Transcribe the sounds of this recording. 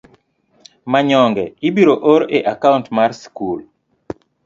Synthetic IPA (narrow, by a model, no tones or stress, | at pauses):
maɲɔŋɡɛibiɾoʔoɾʔeʔakauntmarskul